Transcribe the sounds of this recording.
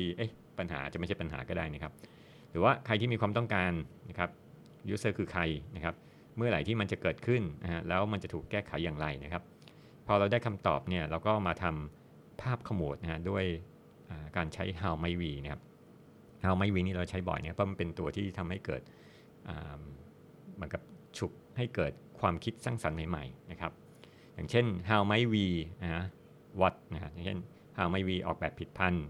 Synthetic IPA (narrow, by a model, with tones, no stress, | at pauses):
i˧ʔɤ˦˥˩ | pa˧nɦa̰ː˩˦t͡ɕa˨˩ma˥˩t͡ɕa˥˩pa˧nɦa̰ː˩˦kɔː˥˩daː˥˩jna˦˥kʰa˦˥p̚ | ɾɯː˩˦waː˥˩kʰa˧jt̪i˥˩miː˧kʰwaː˧mt̪ɔ˥˩ŋkaː˧nːa˦˥kʰa˦˥p̚ | ju˦˥sɤː˥˩kʰɯː˧kʰa˧jna˦˥kʰa˦˥p̚ | mɯ˥˩ɐla̰˨˩˦jt̪ʰiː˥˩ma˧nt͡ɕa˨˩kɤː˨˩t̪̚kʰɯ˥˩nna˦a˦˥lɛː˦˥wma˧nt͡ɕa˨˩t̪ʰuː˨˩kːɛː˥˩kʰa˨˩˦jːaː˨˩ŋɾa˧jna˦˥kʰa˦˥p̚ʰː | ɔː˧ɾa˧wdaː˥˩jkʰa˧mt̪ɔ̰ː˨˩p̚ni˥˩ɐɾa˧wkɔː˥˩maː˧t̪ʰa˧m | pʰaː˥˩p̚kʰa˧mu˨˩t̪̚na˦˥ha˦˥du˥˩əj | ʔaː˨˩kaː˧nt͡ɕʰa˦˥jɦaː˧wma˦˥jwiː˧na˦˩kʰa˦˥p̚ | haː˧wma˦˥jwiː˧niː˥˩ɾa˧wt͡ɕʰa˦˥jbɔ̰˨˩jna˦˥˧pʰːɔ˥m˧npe˧nt̪u˧ɐt̪ʰiː˥˩t̪ʰa˧mha˥˩jkɤː˨˩t̪̚ | ʔa̰ː˨˩mː | ɯ˦nka˨˩p̚t͡ɕʰu˨˩k̚ha˥˩jkɤː˨˩t̪̚kʰwaː˧mkʰi˦˥t̪̚saː˥˩ŋsa˩˦nːa˨˦jma̰˨˩jna˦˥kʰɾa˦˥p̚ | jaː˨˩ŋt͡ɕʰe˥˩nɦaː˧wma˦˥jwiː˧na˦˥ha˦˥ | wa˦˥t̪̚na˦˧ha˦˥ʔjaː˨˩ŋt͡ɕʰḛ˥˩n | haː˧wma˦˥jwiː˧ʔɔ̰ː˨˩k̚bɛː˨˩pʰːi˨˩t̪̚pʰa˧n